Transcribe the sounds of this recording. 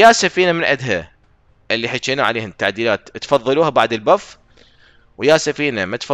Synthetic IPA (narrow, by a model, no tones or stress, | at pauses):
jasafiːnamɪnʕɪ̰d̪ɦa | ʔɪlːiħat͡ʃːiːnaʕa̰leːhʊnt̪ːaʕd̪iːlaːt̪t̪fɑðˤːɑluːhabaʕd̪ɪlbafː | wjasafiːnamat̪fɑ